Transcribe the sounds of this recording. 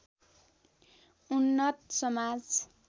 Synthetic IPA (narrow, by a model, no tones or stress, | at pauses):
unːʌt̪sʌmad͡z